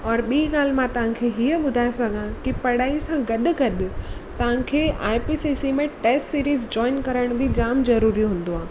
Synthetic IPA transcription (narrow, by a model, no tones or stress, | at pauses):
ɔːɾɓiːɠaːl̤ɪmãt̪ɐʋ̤ãkʰeɦiəɓʊd̪ʱaːesɐɡʱãkipɐɽaːisãɡɐɗʊ̆ɡɐɗʊt̪ɐʋ̤ãkʰeːaːɪpiːsisimẽʈeːsʈsiːɾiːzd͡ʑɔːɪnkɐɾəɽ̃bɪd͡ʑaːmzɐɾuːɾijũɦũːn̆d̪oaː